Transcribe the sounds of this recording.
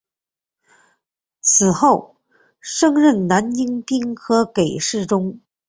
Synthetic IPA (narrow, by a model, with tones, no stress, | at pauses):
t͡sʰɹ̩˨˩xo˥˩ʊ | ʂɤ˥ŋɻə˥˩nna˧˥ni˥ŋt̪i˥ŋxʰɤ˧˥ke˨˩ɪʂɻ̩˥˩ʈ͡ʂʊ˥ŋ